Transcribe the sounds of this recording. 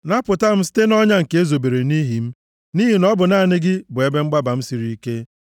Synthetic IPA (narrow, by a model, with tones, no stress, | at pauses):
na˦pʊ˨ta˦m̩˦si̥˦te˦nɔ˦ɲa˦ŋ̩˨ke˦zo˨be˨ɾe˨ni˦ɦi˨m̩˦ | ni˦ɦi˨nɔ˦bʊ˨na˦˨nɪ˦ɡɪ˦bʊ˨e˦be˦ŋ͡m̩˦ɡ͡ba˦ba˨m̩˦si˨ɾi˦i˦ke˦